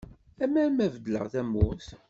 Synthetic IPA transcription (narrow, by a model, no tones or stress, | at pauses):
æmæmævəd̪lə̰ʁθæmʊθ